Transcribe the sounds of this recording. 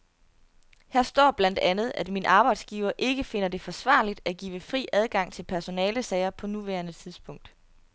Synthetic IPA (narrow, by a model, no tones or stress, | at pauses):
hæɐ̰sd̥ɒ̰ːb̥læn̰d̥ænð̩ˠæd̥minəʔɑ̈ːb̥ɑ̈ɪ̰d̥sɡ̥iːʊɐʔe̝ɡ̥əfe̝n̰ɐd̥e̝fɒ̽sʋɑ̰̈ːlid̥æɡ̥ḭːʋəfʁḭːæð̞ˠɡ̥ɑ̈ŋ̰t͡sʰe̝lpʰæɐso̝nɛːləsɛɪɐpʰɒ̽nuʋæɐnət͡sʰiðˠsb̥ʰɔ̽ŋ̰d̥